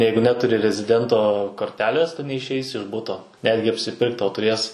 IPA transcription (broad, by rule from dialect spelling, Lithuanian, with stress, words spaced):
ˈjɛɪɡʊ ˈnʲæːtʊrʲɪ rʲɛzʲɪˈdʲɛntoː koːrʲˈtʲæːlʲeːs ˈtʊ nʲɛɪʃʲˈɛɪsʲɪ ɪʃ ˈbʊtoː ˈnʲæːdʲɡʲɪ ɐpʲsʲɪˈpʲɪrkt ˈtɐʊ tʊˈrʲeːs